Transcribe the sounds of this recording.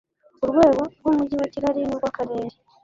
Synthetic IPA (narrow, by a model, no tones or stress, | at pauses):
oɾwe̞ːɣoɾɡwoːmuɟiwaciɾaɾinoɾɡwakaɾeːɾe